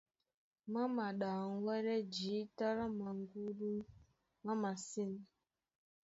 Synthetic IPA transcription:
ma˦ma˨ɗa˨ŋ̩˨˦wɛ˦ɾɛ˦d͡ʒi˨˦ta˦ɾa˦ma˨ŋ˦ɡu˦ɗu˦ | ma˦ma˨si˦n˨

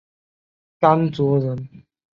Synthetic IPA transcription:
ka˦nt͡swɔ˨˦ɻə˨˦n

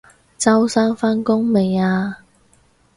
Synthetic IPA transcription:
t͡sɐ˥wsaː˥ŋfaː˥nkʊ˥ŋme˨˩jaː˧

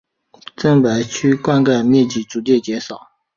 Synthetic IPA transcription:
t͡sə˥˩ŋpa˧˥ɪt͡ɕʰy˥kwa˥˧nka˥˩nmjɛ˥˩t͡ɕi˧˥˩ʈ͡ʂu˨˥t͡ɕjɛ˥˩nt͡ɕjɛ˧˥nʂɑ˨˩˦ʊ

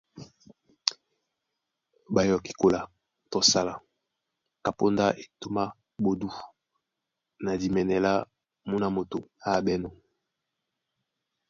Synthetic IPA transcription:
ba˨jɔ˨ki̥˨ko˨la˨ | tɔ˨sa˦la˨ | ka˨po˦nda˦ʔe˨tu˦ma˦ | bo˨du˦˨ | na˨di˨mɛ˨nɛ˨la˦ | mu˦na˦mo˨to˨a˦˨bɛ˦nɔ˦

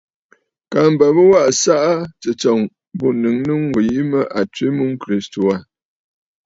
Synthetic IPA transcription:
ka˨m̩˨bə˨bə˦wa˦ʔsa˦ʔa˦tɨ˨t͡sɔ˨ŋ˦ | bɔ˨nɨ˨ŋnɨ˦ŋwu˨ji˦mə˦ʔa˨ti˨˦mu˦ŋkɾi˦sto˨a˨

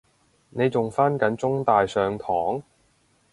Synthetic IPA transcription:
ne˨˧jt͡sʊ˨ŋfa˥nkɐ˨˥nt͡sʊ˥ŋt̪aː˨jsœː˨ŋt̪ʰɔː˨˩ŋ

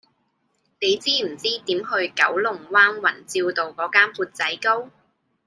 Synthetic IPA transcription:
ne˨˧jt͡siː˥m̩˨˩t͡siː˥t̪iː˨˥mhɵ˧ɥkɐ̰˨˥wlʊ˨˩ŋwaː˥nwɐ˨˩nt͡siː˧wt̪o˨˧wkɔː˨˧˥kaː˥npuː˧t̚t͡sɐ˨˥jko˥w

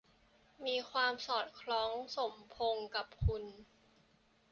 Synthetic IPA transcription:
miː˧kʰwaː˧msɔː˨˩t̪̚kʰlɔː˦˥ŋso˩˦mpʰo˧ŋka˨˩p̚kʰu˧n

